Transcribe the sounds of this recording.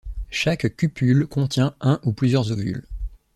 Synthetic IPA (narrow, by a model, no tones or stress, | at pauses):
ʃakkʲːypylkɔ̃t̪jɛ̃ʔɛ̃ʔuplyzjœʁzovy̰l